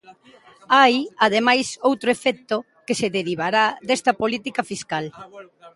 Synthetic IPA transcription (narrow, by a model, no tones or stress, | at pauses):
ajaðemajsowt̪ɾoefɛk̚t̪o | keseðeɾiβaɾad̪ɛst̪ɐpolit̪ikɐfiskal